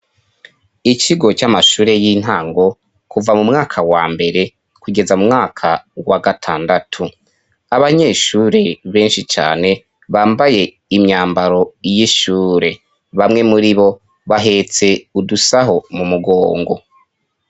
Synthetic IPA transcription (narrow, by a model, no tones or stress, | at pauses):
it͡ʃiɡo̞camaʃuːɾejin̥ɦaːŋɡo̞ | kuvamumŋaːkʰawaːmbe̞ɾe̞ | kuɡe̞zamumŋaːkʰawaɡatʰaːndatʰu | aβaɲe̞ʃuːɾe̞βe̞ːnʃit͡ʃa̰ːne̞ | βaːmbaje̞ | imɲaːmbaɾo̞jiʃuːɾe̞ | βamŋe̞muɾiβo̞ | βaɦe̞t͡se̞udusaɦo̞mumuɡo̞ːŋɡo̞̰